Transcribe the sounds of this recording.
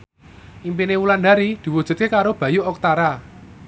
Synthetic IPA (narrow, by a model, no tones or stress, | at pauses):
ʔimpinewuland̪a̤ɾid̪̥i̤wud̥ʒ̥ṳt̪̚kekaɾob̥a̤juʔɔk̚t̪aɾa